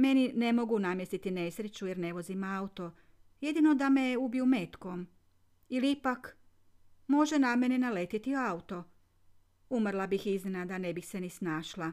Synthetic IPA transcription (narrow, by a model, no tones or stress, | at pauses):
me̞nine̞mo̞ɡunamjest̪it̪ine̞sɾet͡ɕujeɾne̞ʋo̞zimaut̪o̞ | je̞d̪ino̞d̪amejeubiume̞t̪ko̞m | iliipak | mo̞ʒename̞nenale̞t̪it̪ioaut̪o̞ | umrlˠabixizninad̪ane̞bixse̞nisnaːʃla